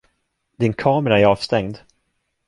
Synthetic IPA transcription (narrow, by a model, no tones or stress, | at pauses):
d̪ɪnkʰɑːməɾaæɾɑːvst̪ɛŋd̪